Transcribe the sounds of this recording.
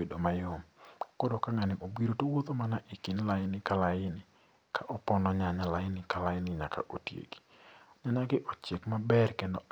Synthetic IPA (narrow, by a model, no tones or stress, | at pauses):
edomajomkɔdokaŋanɪʔobiɾotowot̪omanaʔikinlaɪnɪkalaɪnɪ | kʰaʔɔpɔnɔɲaɲalaɪnɪkalaɪnɪɲaka̰ʔotjḛɡi̥ɲaɲaɡɪʔɔt͡ʃekmabɛrkendo